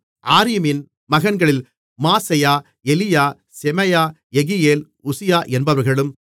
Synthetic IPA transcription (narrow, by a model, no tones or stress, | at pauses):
ʔaːɾɪmɪn | mɐɣɐnɡɐɭɪl | maːsɐjaː | ɛlɪjaː | sɛmɐjaː | ɛɣɪjeːl | ʊsɪjaːʔɛnbɐʋɐɾɣɐɭɯm